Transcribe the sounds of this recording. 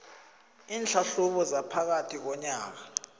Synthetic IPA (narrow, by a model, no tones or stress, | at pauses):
iːnɬʰaɬuɓɔzapʰak̬atʰik̬ɔɲaːk̬a